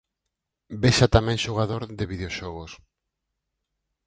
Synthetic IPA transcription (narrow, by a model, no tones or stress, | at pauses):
beʃat̪amɛ̃ŋʃoɣ̞aðoɾðɪβiðeoʃɔɣos